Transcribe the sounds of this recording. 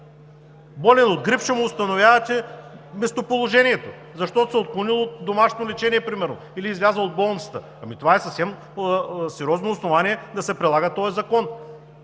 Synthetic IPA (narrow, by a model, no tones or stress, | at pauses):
bɔlʲɛnod̪̚ɡɾifʃəmʊːst̪ɐnovʲjavɐt̪ʲɛmɛst̪opolˠoʒɛniɛt̪o | zɐʃt̪ɔt̪osɛot̪̚klˠonilˠoot̪̚d̪omaʃnolɛt͡ʃɛniɛpɾimɛɾno | iliːzlʲazəlˠod̪̚bɔlˠnə̥t̪ə | ɐmit̪ovaɛsɐfsɛm | sɛɾʲɔznoːsnovaniɛd̪ɐsɛpɾɛdlˠaɡət̪ɔjɛzɐkɔn